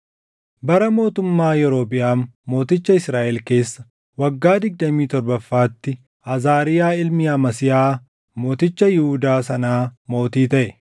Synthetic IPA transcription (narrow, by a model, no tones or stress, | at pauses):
bɐɾɐmo̞ːt̪ʊmːaːjɛɾo̞ːpɪʔaːmːo̞ːt̪ɪt͡ʃːɐɪsɾaːʔɛlke̞ːsːɐ | wɐɡːaːd̪ɪɡ̚d̪ɐmiːt̪ɔɾbɐfːaːt̪ːɪ | ʔɐzaːɾɪjaːɪlmɪɐmɐsɪjaː | mo̞ːt̪ɪt͡ʃːɐjɪhʊd̪aːsɐnaːmo̞ːt̪iːt̪ɐʔɛ